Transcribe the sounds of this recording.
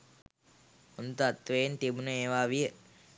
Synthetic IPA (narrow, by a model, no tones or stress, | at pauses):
unt̪at̪ːʋent̪ibunəeːʋaːʋijə